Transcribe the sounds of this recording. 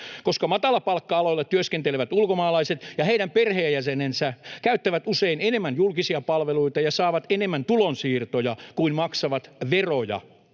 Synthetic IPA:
koskɑmɑt̪ɑlɑpɑlkːɑɑloilːɑt̪t̪yøskent̪eleʋæt̪ulkomɑːlɑiset̪jɑheiɾæmperheːjæsenensækæyt̪ːæʋæt̪useinenemːænjulkisiɑpɑlʋeluit̪ɑjɑsɑːʋɑt̪enemːænt̪ulonsiːrt̪ojɑkuinmɑksɑʋɑt̪ʋerojɑ̰

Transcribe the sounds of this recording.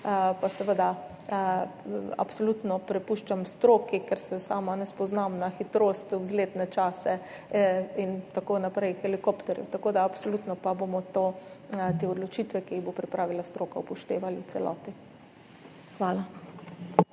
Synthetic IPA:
pasɛʋəd̪a | a̰psolut̪nɔpɾɛpuːʃt͡ʃamst̪ɾoːkikɛɾsɛsaːmanɛspɔznamnaxit̪ɾoːst̪wzleːt̪nɛt͡ʃaːsɛ | int̪akoːnapɾɛjxɛlikopt̪ɛɾjɛ̰wt̪akoːd̪aːpsolut̪nɔpabomɔt̪oːt̪eːɔd̪lɔt͡ʃiːt̪ʋɛkiiɣbopɾipɾʔaːʋilast̪ɾoːkaupɔʃt̪eːʋaliw̪sɛlɔ̰ːt̪i | xʋaːla

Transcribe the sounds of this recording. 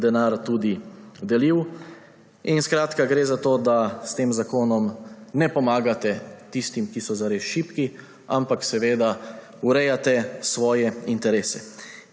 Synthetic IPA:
d̪ɛnaːɾt̪uːd̪id̪ɛliw | inskɾaːt̪kaɡɾeːzat̪oːd̪ast̪eːmzakoːnɔmnɛpɔmaːɡat̪ɛt̪ist̪imkisɔzaɾesʃiːpki | ampaksɛʋeːd̪a | uɾɛjat̪ɛsʋɔːjɛint̪ɛɾeːsɛ

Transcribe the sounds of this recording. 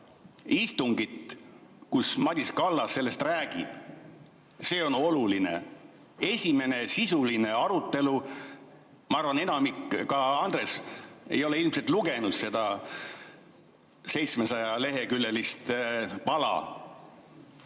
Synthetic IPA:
ist̪uŋɡit̪kusmɑd̪̥ʲiskɑlːɑsːe̞lːe̞st̪ræːɡ̥ib̥ | se̞ːo̞no̞luline̞̰ | e̞sʲime̞ne̞sisuline̞ɑɾut̪ˑːe̞lu | mɑɑrvɑne̞nɑmikːkːɑɑnd̪̥re̞se̞̰jo̞leilmset̪ˑluɡe̞nud̪̥se̞d̪ɑ | se̞jt̪smesɑjɑle̞ɦe̞kylːelist̪pɑlɑ̰

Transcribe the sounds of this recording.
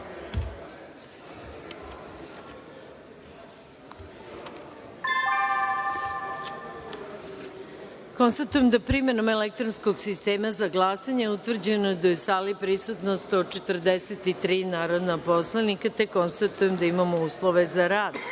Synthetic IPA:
ko̞nst̪at̪ujemd̪apɾime̞no̞melek̚t̪ɾonsko̞ɡsist̪eːmazaɡlˠaːsaɲeut̪ʋr̩d͡ʑe̞nojd̪ajesalipɾisut̪nost̪ot͡ʃe̞t̪r̩d̪eset̪it̪ɾiːnaːɾo̞d̪napo̞slˠanikat̪ekːo̞nst̪at̪uje̞md̪aimamouːslˠoʋe̞zaɾaːd̪

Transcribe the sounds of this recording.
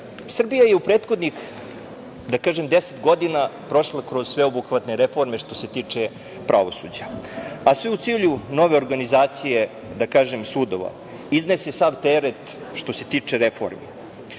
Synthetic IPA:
sr̩bijajeupɾeːt̪xod̪nix | d̪akaːʒemd̪eset̪ɡo̞d̪inapɾo̞ʃlˠakɾozsʋe̞obukʋat̪neɾefo̞ɾme̞ʃt̪o̞se̞t̪iːt͡ʂe | pɾʔaʋo̞sṵːd͡ʑaasʋeut̪siːʎuno̞ʋe̞o̞ɾɡanizaːt̪sije | d̪akaːʒemsuːd̪o̞ʋa̰ | izne̞sesaʋt̪eɾet̪ | ʃt̪o̞se̞t̪iːt͡ʂe̞ɾefo̞̰ɾmi

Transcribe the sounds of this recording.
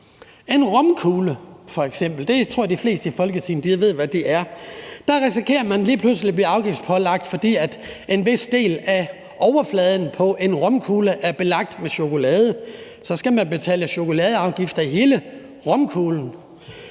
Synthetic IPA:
e̝nʁɔ̽mkʰuːləfɒ̽eɡ̥sem̰b̥l̩d̥e̝t͡sʰʁo̝ɐd̥ifle̝̰ːsd̥əifɒ̽lɡ̥ət͡sʰḭːn̩d̥i̥ʋe̝ð̞̰ˠʋæd̥iʔæɐd̥ɑ̈ʁisikʰe̝̰ːɐmænliːpʰluslib̥liːɑ̈ʊɡ̥ifd̥pʰɒ̽lɑ̈ɡ̥̚d̥fɒ̽d̥ḭːæd̥ʔe̝nʋe̝sd̥e̝̰ːlæ | ʔɒʊɐflɛːð̞ˠn̩pʰɒ̽ʔe̝nʁɔ̽mkʰuːləʔæɐb̥e̝lɑ̈ɡ̥̚d̥meɕo̝ko̝lɛːð̞ˠə | sɒ̽sɡ̥æmænb̥e̝t͡sʰɛ̰ːləɕo̝ko̝lɛːð̞ˠɑ̈ʊɡ̥ifd̥ɐiɦe̝ːlə | ʁɔ̽mkʰuːln̩

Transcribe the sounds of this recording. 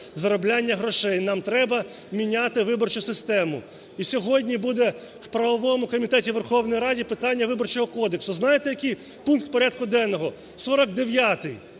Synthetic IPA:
zɐɾɔblʲanʲːɐɦɾɔʃɛjnɑmt̪ɾɛbɐ | mʲinʲat̪ɪʋɪbɔrt͡ʃʊsɪst̪ɛmʊ | isʲɔɦɔdʲnʲibud̪ɛ | wpɾɐʋɔʋɔmʊkɔmʲit̪ɛtʲiʋerxɔwnɔjɾɑdʲipɪt̪ɑnʲːɐʋɪbɔrt͡ʃɔɦɔkɔd̪eksʊznɑjet̪ɛjɐkɪj | punk̚t̪pɔɾʲad̪̚kʊd̪ɛnːɔɦɔ | sɔɾɔɡ̚d̪eʋʲjat̪ɪ̰j

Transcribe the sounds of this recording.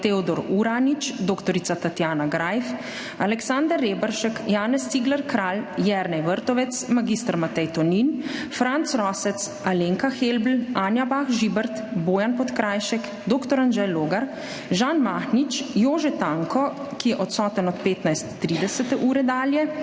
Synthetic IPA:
t̪eɔd̪ɔɾuɾanit͡ʃd̪oːkt̪ɔɾit̪at̪at̪jaːnaɡɾajf | alɛksand̪əɾːeːbəɾʃɛkjaːnɛst̪iɡlɛɾkɾaːljɛɾnɛjʋəɾt̪ɔʋɛt̪smaɡist̪əɾmat̪ɛjt̪ɔninfɾant̪sɾɔːsɛt̪s | aleːŋkaxelbl̩aːnjabaːxʒiːbɛɾt̪boːjanpɔt̪kɾaːjʃɛk | d̪oːkt̪ɔɾanʒɛjloːɡaɾ | ʒanmaːxnit͡ʃjoːʒɛt̪aːŋkɔ | kijɛʔɔt̪sɔːt̪ənɔt̪̚peːt̪najst̪ːɾid̪ɛsɛt̪ɛʔuːɾɛd̪aːljɛ

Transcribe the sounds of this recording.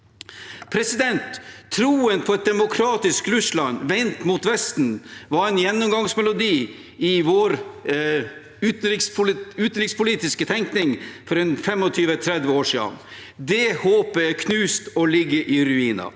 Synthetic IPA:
pʰɾɛsɪd̪ɛnt̪ʰːɾuːənpʰɔɛt̪̚d̪ɛmʊkʰɾɑːt̪ɪskɾʉʂlɑnʋɛnt̪muːt̪ʋɛst̪n̩ʋɑɾɛɪnjɛnːʊmɡɑŋsmɛlʊd̪iː | ɪʋoːɾ | ʉːt̪n̩ɾɪkspʊlʉːt̪nɾɪkspʰʊliːt̪ɪskət̪ʰɛŋknɪŋfɔɾɛnfɛmɔt̪ʰyːʋət̪ʰɾɛd̪ʋəoːʂiːd̪ɑ̰n | d̪ɛhoːpəɛkʰnʉːst̪ɔlɪɡːəʔɪɾʉiːnɑ̰

